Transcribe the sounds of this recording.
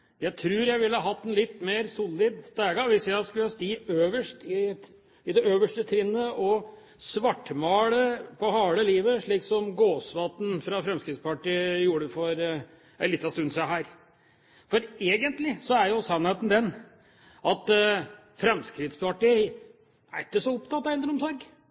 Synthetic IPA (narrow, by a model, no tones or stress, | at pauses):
jæɪt̪ʰɾʉːɾjæɪʋɪlːəhɑɦɑt̪ːɛnlɪt̪ːmeːɾsulːɪd̪sd̪æːɡɑʋɪsjæɪskʉlːəɑst̪iːøːʋəʂʈɪ | ɪd̪ɛøːʋəʂʈət̪ʰɾɪnːəʔɔ | sʋɑʈːmɑːɽəpʰɔhɑːɭəliːʋəʂɭiːksɔmɡoːsʋɑt̪n̩fɾɑfɾɛmskɾɪt̪spɑʈijuːɽəfɔɾ | ɛlɪt̪ːɑst̪ʉnːsæɦæːɾ | fɔɾeːɡənt̪lɪsɔæɾjʊsɑnheːt̪n̩d̪ɛn | ʔɑt̪ | fɾɛmskɾɪt̪spɑʈiː | æɾɪkːəsɔʊpt̪ʰɑt̪ːɑɛnd̪ɾʊmsɔɾɡ